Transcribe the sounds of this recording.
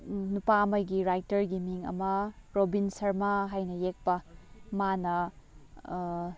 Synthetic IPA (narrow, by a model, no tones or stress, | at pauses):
nupamɐjɡiɾajtɐɾɡimiŋɐ̰mɐpɾobinsɐɾmaɦajnɐjek̚pɐmanɐ